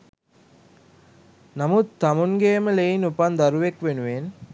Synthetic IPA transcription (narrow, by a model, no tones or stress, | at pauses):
namut̪t̪ːɐmunɡeːməleinupand̪ɐɾuʋekʋenuʋen